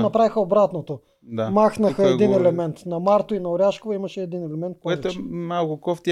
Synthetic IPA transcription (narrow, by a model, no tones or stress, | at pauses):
nɐpɾavixɐobɾat̪not̪o | d̪amaxnɐxɐɛinɛlɛmɛnt̪nɐmaɾt̪oinɐoɾʲjaʃkovɐimɐʃɛːd̪inɛlɛmɛnt̪̚pɔɛt̪oɛmalˠkʊkɔft̪ʲi